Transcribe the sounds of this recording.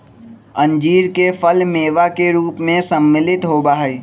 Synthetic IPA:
ə̃ɲd͡ʒiːɾkefʰəlmeːʋakeɾuːpmẽsəmːɪlɪt̪ɦoːbaːɦe

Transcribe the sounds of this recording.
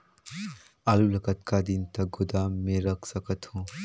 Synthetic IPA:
alulɐkɐt̪̚kad̪int̪ɐɡud̪amːeɾɐksɐkɐt̪ʰhũ

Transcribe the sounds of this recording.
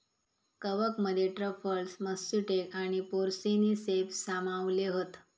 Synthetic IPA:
kəʋəkməd̪ʱːjeʈɾəfʰəɭsməsːuʈekaɽ̃ipoɾsinisepsamaʋleɦot̪

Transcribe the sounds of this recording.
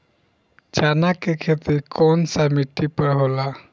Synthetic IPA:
d͡ʒanakekʰet̪iɾkɔnsamiʈːipəɾɦola

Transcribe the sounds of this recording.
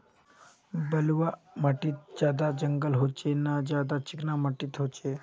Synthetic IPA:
bəlʋa | maʈiːt̪̚d͡ʑad̪ad͡ʑəŋɡəlɦot͡ɕenad͡ʑjad̪at͡ɕiknamaʈiːt̪ɦot͡ʃe

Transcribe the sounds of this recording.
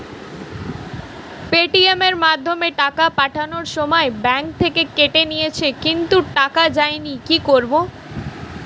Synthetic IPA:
peʈiemeɾmad̪ʱːomeʈakapaʈʰanoɾʃɔmɔebɛŋk̚t̪ʰekekeʈenijet͡ɕʰekint̪uʈakad͡ʑaenikikoɾbo

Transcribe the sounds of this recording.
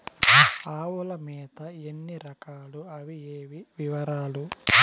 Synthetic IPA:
aːʋulɐmɛːt̪ɐenːiɾɐkaːluɐʋieːʋiʋiʋɐɾaːlu

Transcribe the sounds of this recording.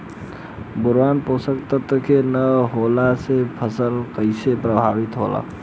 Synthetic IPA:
bʊɾʋaːnposəkt̪ət̪əkʰenəɦolasepʰəsəlkəɪsepɾəbʱabit̪ɦola̰

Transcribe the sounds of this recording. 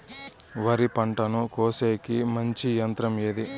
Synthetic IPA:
ʋɐɾipɐɳʈɐnukoːseːkimɐɲt͡ʃijɐnt̪ɾɐmeːd̪i

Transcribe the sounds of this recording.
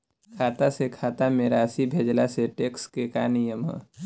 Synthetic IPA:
kʰaːt̪asekʰaːt̪amẽɾaːsibʱeːd͡ʒlaseʈeːkskekaːnijəmɦɛ̰ː

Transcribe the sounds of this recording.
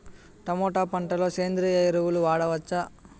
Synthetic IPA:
ʈɐmɔːʈaːpɐɳʈɐloːseːnd̪ɾijɐjiɾuwuluʋaːɽɐʋɐt͡ʃːɐ

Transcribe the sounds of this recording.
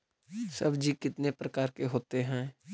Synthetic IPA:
sɐ̰bʱd͡ʒikɪt̪nepɾɐkaːɾkeɦoːt̪eɦɛ̃ː

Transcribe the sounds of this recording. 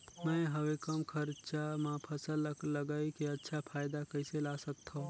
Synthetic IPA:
mɛ̃ːɦəwekəmkʰəɾt͡ʃamãpʰəsəlːələɡaːikiɐtːʃʰapʰaːjd̪akɐɪselaːsəkt̪ʰa

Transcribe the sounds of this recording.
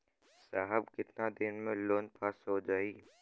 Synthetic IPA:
saːɦəbkɪt̪nad̪ɪnmẽloːnpʰaːsɦod͡ʒaːiː

